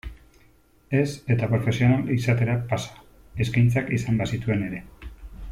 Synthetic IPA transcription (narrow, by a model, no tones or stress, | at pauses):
e̞se̞t̪apɾo̞fe̞sio̞nalisat̪e̞ɾapasḁ | e̞skajnt͡sakisambasit̪ue̞ne̞ɾe̞